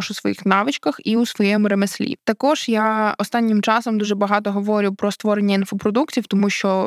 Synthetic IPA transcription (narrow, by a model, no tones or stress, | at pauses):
ʃusʋɔ̰jixnɑʋɪt͡ʃkɐxiusʋɔjɛmɾemesʲlʲḭt̪ɐkɔʒ̥jaɔst̪ɑnʲːɪmt͡ʃɑsɔmd̪uʒɛbɐɦɑt̪ɔɦɔʋɔɾʲɪwpɾɔst̪ʋɔɾenʲːɐinfɔpɾɔd̪uktʲiwt̪ɔmuʃt͡ʃɔ